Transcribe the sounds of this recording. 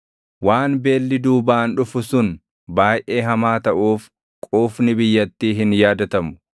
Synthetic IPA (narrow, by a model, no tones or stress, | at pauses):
waːnbe̞ːlːɪd̪uːbaːnᶑʊfʊsʊn | baːjʔe̞ːɦɐmaːt̪ɐʔuːf | kʼuːfnɪbɪjːɐt̪ːiːɦɪnjaːd̪ɐt̪ɐmʊ̥